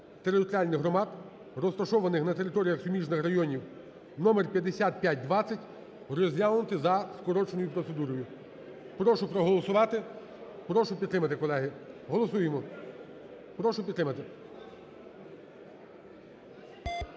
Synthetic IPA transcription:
t̪eɾɪt̪ɔɾʲɪalʲnɪɦɾɔmɑd̪ | rɔst̪ɐʃɔʋɐnɪxnɐt̪eɾɪt̪ɔɾʲijɐxsʊmʲiʒnɪxrɐjɔnʲiw | nɔmerpʲjɐd̪esʲat̪̚pʲjat̚ʲd̪ʋɑt͡sʲːɐtʲ | rɔzʲjʲalˠnʊt̪ɪzɐskɔɾɔt͡ʃenɔjʊpɾɔt̪se̞d̪uɾɔjʊ | pɾɔʃʊpɾɔɦɔlˠɔsʊʋɑt̪ɪ | pɾɔʃʊpʲit̪t̪ːɾɪmɐt̪ɪkɔlˠɛɦɪɦɔlˠɔsujemɔ | pɾɔʃʊpʲdt̪ːɾɪmɐt̪ɪ

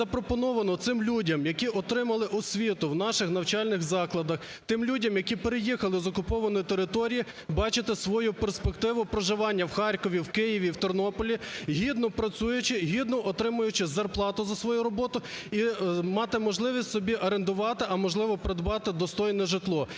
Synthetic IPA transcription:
ɐpɾɔpɔnɔʋɐnɔt̪sɪmlʲudʲɐmjɐkʲiʔɔt̪ɾɪmɐlˠɪʔɔsʲʋʲit̪ʊwnɑʃɪxnɐwt͡ʃɑlʲnɪɣzɑklˠɐd̪ɐx | t̪ɪmlʲudʲɐmjɐkʲipeɾejixɐlˠɪzɔkʊpɔʋɐnɔjit̪eɾɪt̪ɔɾʲiji | bɑt͡ʃɪt̪ɪsʋɔjuperspekt̪ɪʋʊpɾoʒɪʋɑnʲːɐwxɑrʲkɔʋʲiwkɪjiʋʲiwt̪ɔrnɔpɔlʲiɦʲid̪nɔpɾɐt͡sʲujʊt͡ʃɪɦʲid̪nɔʔɔt̪ɾɪmʊjʊt͡ʃɪzɐrplˠɑt̪ʊzɐsʋɔjuɾɔbɔt̪ʊimɑt̪ɪmɔʒlˠɪʋʲisʲtʲsɔbʲiʔɐɾend̪ʊʋɑt̪ɪʔɐmɔʒlˠɪʋɔpɾed̪bɑt̪ɪd̪ɔst̪ɔjnɛʒɪt̪lˠɔ

